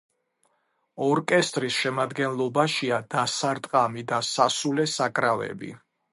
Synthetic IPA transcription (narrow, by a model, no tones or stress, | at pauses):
ɔɾkʼɛst̪ʼɾisʃɛmad̪ɡɛnlˠɔbaʃiad̪asaɾt̪ʼqʼamid̪asasulɛsakʼɾavɛ̰bḭ